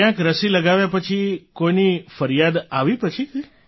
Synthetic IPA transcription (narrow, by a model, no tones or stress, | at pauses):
jãkɾəsiləɡaʋjapət͡ʃʰikoinifəɾjad̪aʋipət͡ʃʰi